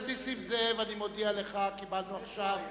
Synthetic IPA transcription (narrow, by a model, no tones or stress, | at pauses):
d̪isimzevanimo̞d̪iale̞χakibalnuaχʃav